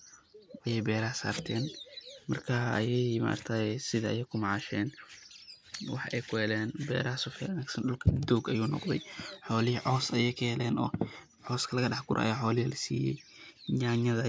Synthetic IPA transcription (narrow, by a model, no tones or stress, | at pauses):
ʔɐjɛjbɛːɾɐsa̰ːrt̪ʰɛːnmɐrkʰaːɐ̰jɛjma̰ʔɐ̰rt̪ʰaːsɪðɐɐjɛjkʰʊmɑʕɑʃɛːn | wɑħʔɛjkʰʊɛlɛːnbɛ̰ːɾɐɦsʊfɛʊnaːɡsɐnɗʊlkʰɐd̪uːɡɐjuːnɔ̰qd̪ɛjħɔːlɪhʕɔːsɐjɛjkʰɐhɛlɛːnɔ̰ː | ʕɔːskʰɐlɐɣɐɗɑħɡʊɾʔɐ̰ɐ̰jaːħɔːlɪhilɐsiːjɛ̰jɲaːɲɐðɐ